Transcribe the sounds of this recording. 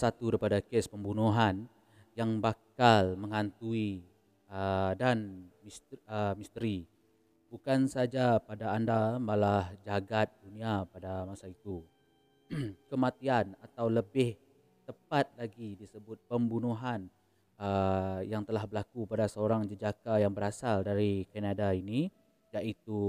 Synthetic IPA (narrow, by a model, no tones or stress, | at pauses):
sat̪udaɾipadakespəmbunuɦan | jaŋbakalməŋant̪ui | ədanmisəmist̪əɾi | bukansad͡ʒapadaːndamalahd͡ʒaɡat̪̚dunĩapadamasait̪u | kəmat̪ianat̪awləbɪh | t̪əpat̪̚laɡidisəbʊt̪̚pəmbunuɦan | əjaŋt̪əlahbəɾlakupadasəoɾaŋd͡ʒəd͡ʒakajaŋbəɾasaldaɾikanadaini | d͡ʒaʔit̪u